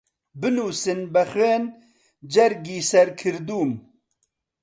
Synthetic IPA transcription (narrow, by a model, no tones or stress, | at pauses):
bɨnuːsɨnbɛxeːn | d͡ʒɛɾɡiːsɛɾkʰɨɾd̪uːm